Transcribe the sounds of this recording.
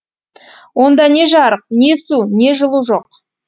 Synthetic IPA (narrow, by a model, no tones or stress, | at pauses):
wo̞nd̪ɑne̞ʒɑɾəq̚ne̞sune̞ʒəlˠuʒo̞q